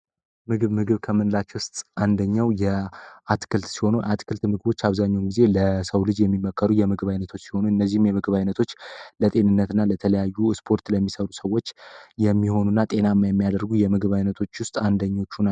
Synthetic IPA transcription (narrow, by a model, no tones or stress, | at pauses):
mɨɡɨβmɨɡɨβkʰəmɨnɨlat͡ʃːɛwʊst̪ʼʔand̪əɲːawjɛʔat̪kʰɨlt̪siho̞nuʔat̪kʰɨlt̪mɨɡβo̞t͡ʃːaβzaɲːawɡize̞ləsəwlɨd͡ʒjɛmːimːəkʰːəɾujɛmɨɡβajnət̪ʰo̞t͡ʃːsi̥ho̞nuɨnːəzːihmjɛmɨɡɨβajnət̪ʰo̞t͡ʃːlət̪ʼe̞nɨnːət̪ɨnːalət̪ʰələjajːuspʰo̞ɾt̪ləmːisəɾusəwːo̞t͡ʃːjɛmːiho̞nunːat̪ʼe̞namːajɛmːijad̪əɾɡujɛmɨɡɨβajnət̪ʰo̞t͡ʃːwʊst̪ʼand̪əɲːo̞t͡ʃːuna